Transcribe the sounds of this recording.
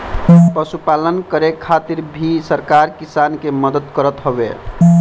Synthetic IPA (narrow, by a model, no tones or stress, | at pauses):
pəsupalənkəɾekʰːat̪iɾbʱisəɾkaɾkisankeməd̪əd̪kəɾət̪ɦobe